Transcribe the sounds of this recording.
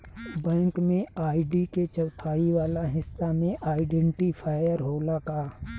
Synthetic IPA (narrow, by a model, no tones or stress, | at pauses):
bɛ̃ːŋkmẽaːɖiket͡ʃəʊt̪ʰaːiʋaːlaɦɪsːamẽʔaːɪɖɛ̃ɳʈipʰaːjəɾɦoːlakaː